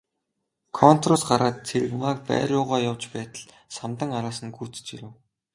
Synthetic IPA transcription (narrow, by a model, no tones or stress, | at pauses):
kʰɔn̥t̪rʊsɢaɾaːt̪̚t͡sʰeɾɘ̆ɣmaːk̚pæ̰ːrʲjʊːʁaːjawt͡ɕpæːt̪ə̆ɮ | samt̪ə̆ŋaɾaːsə̆nɡuːt͡s̆t͡ɕiɾɘ̆w